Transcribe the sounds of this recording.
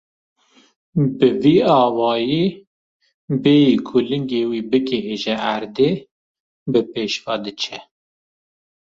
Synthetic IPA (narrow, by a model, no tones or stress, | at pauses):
bɨviːɑːwɑːji | beːjiːkʰʊlɨŋɡeːwiːbɨkɛɦeːʒɛʔæɾd̪eː | bɨpeːʃvɑːd̪ɨt͡ʃʰɛ